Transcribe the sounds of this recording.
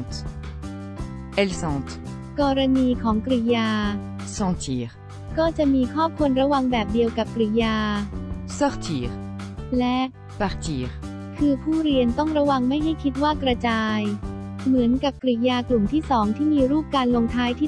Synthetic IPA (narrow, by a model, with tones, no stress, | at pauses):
t̪ | ʔɛ˧lsɑ̃˧t̪ | kɔː˧ɾa˧niː˧kʰɔː˩˦ŋkɾi˧˩jaː˧ | sɔ̃˧t̪ʰiː˨˦ʁ | kɔː˥˩t͡ɕa˨˩ʔmiː˧kʰɔː˥˩p̚kʰu˧nɾa˧wa˧ŋbɛː˨˩p̚di˧əwka˨˩p̚kɾi˩jaː˧sɔ˦˧ʁt̪ʰiː˨˦ʁ | lɛ˦˥ | pa˧ʁt̪iː˦ | kʰɯː˧pʰuː˥˩ɾi˧ənt̪ɔ˥˩ŋɾa˧˥wa˧ŋma˥˩jɦa˥˩jkʰi˦˥t̪̚waː˥˩kɾa˧t͡ɕaː˧j | mɯ˩˦ənka˨˩p̚kɾi˨˩jaː˧klu˨˩mt̪ʰiː˥˩sɔː˩˦ŋt̪ʰiː˥˩miː˧ɾuː˥˩p̚kaː˧nlo˧ŋt̪ʰaː˧˥jt̪ʰiː˥˩